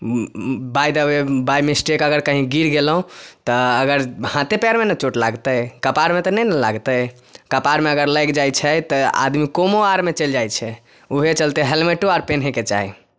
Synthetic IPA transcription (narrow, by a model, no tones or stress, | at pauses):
bajd̪əbebajmesʈekəɡəɾkəɦĩɡiɾɡelɦũt̪ɔəɡəɾhãt̪epaɾmenət͡ʃoʈlaɡt̪əjkəpaɾmet̪ɔnənəlaɡt̪əj | kəpaɾmeəɡəɾləjkd͡ʒajt͡ʃʰɛt̪əa̰d̪mikomoaɾmet͡ʃəld͡ʒajt͡ʃʰɛ | uɦet͡ʃəlt̪eɦelmeʈuaɾpenɦẽket͡ʃa̰ɦḭ